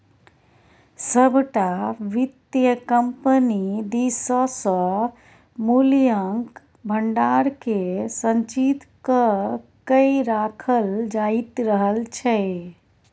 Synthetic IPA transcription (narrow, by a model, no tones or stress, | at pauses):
səbʱʈaʋit̪jəkəmpənid̪isəsə̃ | muljəŋk | bʱəɳɖaɾkesənt͡ʃit̪kəkəiɾakʰəld͡ʒait̪ɾəɦəlt͡ʃʰɛ